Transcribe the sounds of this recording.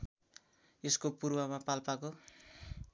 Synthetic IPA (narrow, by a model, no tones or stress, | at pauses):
eskopurwʌmapalpako